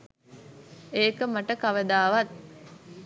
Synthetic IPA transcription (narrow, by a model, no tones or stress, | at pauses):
eːkəmɐʈəkɐʋəd̪aːʋɐt̪̚